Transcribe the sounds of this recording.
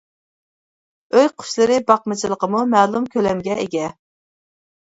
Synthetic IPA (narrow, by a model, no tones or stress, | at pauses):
øjqʰʊ̥ʃlˠɨɾɪbɑq̚mɨt͡ʃʰilˠəqəmumɛːlˠumkʲʰølɛmɡʲɛeɡʲɛ